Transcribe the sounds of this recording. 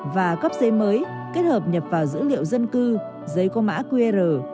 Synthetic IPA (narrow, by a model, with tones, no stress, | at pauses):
vaː˨˩kə˦˥p̚zə˨˦jməː˨˦j | ke˦˥t̚həː˨˩p̚ɲə˨˩p̚vaː˨˩wzɨ̰˧˥lḭ˧˨əwzə˧nkɨ˧ | zə˨˦jkɔ˧ma̰ː˧˥kwe˧zəː˨˩